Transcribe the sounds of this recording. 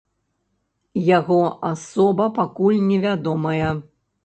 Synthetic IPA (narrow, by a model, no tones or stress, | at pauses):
jaɣɔasɔbɐpakulʲnʲɛvʲad̪ɔmɐjɐ